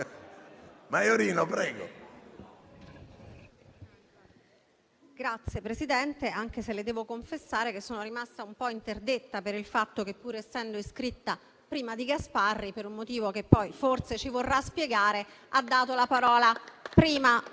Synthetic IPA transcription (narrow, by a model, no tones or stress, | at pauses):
majoɾiːnopɾɛːɡo̰ | ɡ̥ɾat̪sːjepɾesid̪ɛnt̪eaŋk̟eseled̪ɛːvokoɱfesːaːɾek̟esːoːnoɾimast̪aumpɔint̪erd̪et̪ːapeɾilfat̪ːok̟epːuːɾeɛsːɛnd̪oiskɾit̪ːa | pɾiːmad̪iɡasparːipeɾunmot̪iːvok̟epːɔjfort̪set͡ʃivorːaspjeɡaːɾead̪ːaːt̪olapaɾɔːlapɾiːma